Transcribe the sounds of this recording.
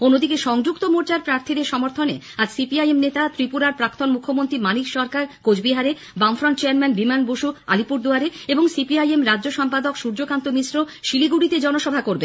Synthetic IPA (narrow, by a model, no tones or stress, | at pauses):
onːod̪ikeʃɔŋd͡ʑukt̪omoɾt͡ɕaɾpɾaɾt̪ʰid̪eɾʃɔmoɾt̪ʰonḛ | ad͡ʑsipiajemnet̪at̪ɾipuɾaɾpɾakt̪onmukʰːomont̪ɾimanikʃɔɾkaɾkod͡ʑbiɦaɾe | bamfɾonʈt͡ɕeaɾmɛnbimanboʃua̰lipuɾd̪uaɾeeboŋsipiajemɾadʑoʃɔmpad̪okʃuɾd͡ʑokant̪omisɾoʃiliɡuɽit̪ed͡ʑɔnoʃɔbʱakoɾbḛ